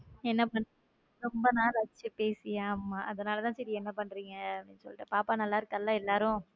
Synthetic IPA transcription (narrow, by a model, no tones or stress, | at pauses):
ɛnːɐpɐɳː | ɾɔmbɐnaːlɐɐt͡ʃːɯpeːsɪjaːmaːʔɐðɐnaːlɐt̪ãːsɛɾɪjɛnːɐpɐɳːɾiːŋɡɐɽinsɔ̰lːʈːɯpaːpaːnɐlːaːɪɾɯkːɐlːãːɛlːaːɾʊ̃